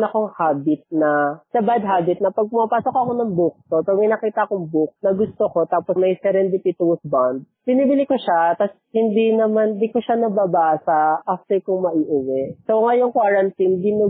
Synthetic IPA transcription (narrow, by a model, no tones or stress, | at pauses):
nɐkoŋhaːbɪt̪̚nɐsɐbad̪̚ɦaːbɪt̪̚nɐpɐɡ̚pʊmapaːsokɐko̞nɐŋbuk̚t̪opɐmɪjnɐkiːt̪ɐkoŋbuk̚nɐɡʊst̪oko̞t̪aːpomɐjsɛɾɛnd̪ɪt̪it̪uwsband̪̚b̥ɪniːbɪlɪkoʃat̪as | hɪnd̪inɐmand̪ikoʃanɐbabasɐʔaft̪ɛkʊŋmɐʔiːʔɪwɛʔsoŋɐjoŋkwaːɾɐnt̪ind̪inɐ